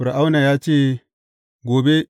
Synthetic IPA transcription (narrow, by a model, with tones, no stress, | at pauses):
ɾa˨ʔa˦wna˨jaː˦t͡ʃeː˦˨ | ɡoː˨be˦